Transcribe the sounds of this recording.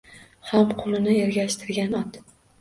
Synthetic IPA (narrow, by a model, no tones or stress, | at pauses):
hamqʰʊlˠɪnɪeɾɡʲaʃt̪ʰɪɾɡʲanɒt̪